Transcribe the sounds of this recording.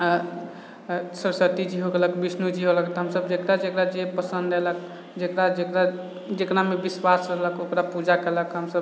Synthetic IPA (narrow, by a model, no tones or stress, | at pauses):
sɾsət̪id͡ʒiɦoɡeləkbisnud͡ʒiɦoləkt̪ɔɦəmsəbd͡ʒekɾad͡ʒekɾad͡ʒepəsənd̪elək | d͡ʒekɾad͡ʒekɾa | d͡ʒekɾamebiswasɾələkokɾapud͡ʒakɛləkɦəmsəb